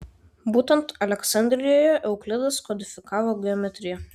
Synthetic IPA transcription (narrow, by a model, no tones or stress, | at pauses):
buːt̪ʲɛnt̪ɐlʲɛksɐnʲd̪ʲɾʲɪjoːjɛʔɛʊklʲɪd̪ɐskɔd̪ʲɪfʲɪkɑːʋoːɡʲɛɔːmʲɛt̪ʲɾʲɪjɛ